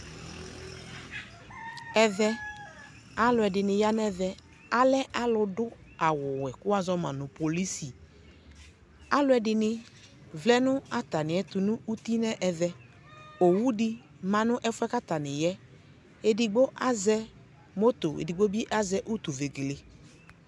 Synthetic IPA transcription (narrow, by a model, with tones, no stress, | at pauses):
ɛ˨ðɛ˦ | a˦lʊ˨˦ɛ˨dɪ˨nɪ˨ja˦nɛ˦ðɛ˦ | a˦lɛ˦ʔa˦lʊ˧dʊ˦a˨wʊ˨wɛ˨kʊ˦a˦zɔ˦mã̰˨nʊ̃˨po˨li˦si˨ | a˦lʊ˦ɛ˨dɪ˨nɪ˦ | vlɛ˦nʊ˦a˦t̪a˨nɪ˨ɛ˨t̪ʊ˨nʊ̃˦u˦t̪i˦nɛ˦ʔɛ˨ðɛ˦ | o˨wu˦di˦ | mã˨nʊ̃˦ʔɛ˦fʊ˦ɛ˦ka˦t̪a˨nɪ˨jɛ˦ | e˨dɪ˨ɡ͡bo˦ʔa˦zɛ˦ | mo˦t̪o˨ḛ˨di˨ɡ͡bo˦bi˦ʔa˦zɛ˦ʔu˦t̪u˨ve˨ɡe˨le˨